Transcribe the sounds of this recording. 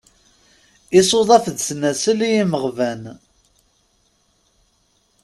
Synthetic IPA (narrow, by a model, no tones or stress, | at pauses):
ɪsoðˤɑfðsnæsəlijiməʁvæn